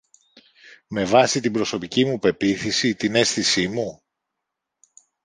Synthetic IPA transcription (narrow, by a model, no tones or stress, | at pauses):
me̞vɐsit̪ibɾo̞so̞picimupe̞piθisit̪ine̞sθisimu